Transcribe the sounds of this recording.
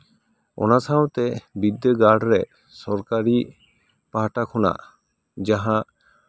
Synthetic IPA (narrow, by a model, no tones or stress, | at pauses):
ɔ̰nasawt̪ɛbid̪jəɡaɖɾɛʔ | sɔɾkaɾi | paɦaʈakʰɔna̰ʔ | d͡ʒaɦãʔ